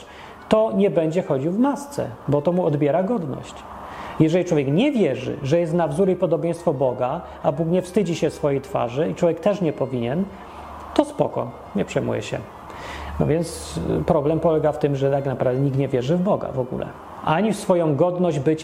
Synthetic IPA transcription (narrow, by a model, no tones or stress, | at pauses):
t̪ɔɲɛbɛɲd͡ʑɛxɔd͡ʑiwvmast̪sɛ̰bɔt̪ɔmuɔd̪bʲjɛɾaɡɔd̪nɔ̰ɕt͡ɕ | jɛʐɛlʲit͡ʂwɔvjɛkɲɛvʲjɛʐɘ̰ʐɛjɛst̪navzuɾipɔd̪ɔbʲjɛ̃j̃st̪fɔbɔɡa | abukɲɛfst̪ɘd͡ʑiɕɛfsfɔjejt̪fa̰ʐɘiʈ͡ʂwɔvjɛk̚t̪ɛʂɲɛpɔvʲiɲɛn | t̪ɔspɔ̰kɔ̰ | ɲɛpʂɛjmṵjɛ̰ɕɛ̰ | nɔ̰vʲjɛnt̪spɾɔblɛmpɔlɛɡaft̪ɘmʐɛt̪aknapɾavd̪ɛɲik̚t̪ɲɛvʲjɛʐɘvbɔɡa̰vɔɡṵlɛ̰ | ʔaɲifsfɔjɔ̃w̃ɡɔd̪nɔʑd͡ʑbɘt͡ɕ